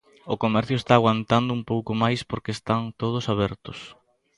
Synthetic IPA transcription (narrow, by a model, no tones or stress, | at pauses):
ʊkomɛɾθjʊest̪aːɣwant̪and̪ʊumpowkʊmajspoɾkest̪aŋt̪oð̞ʊsaβɛɾt̪ʊs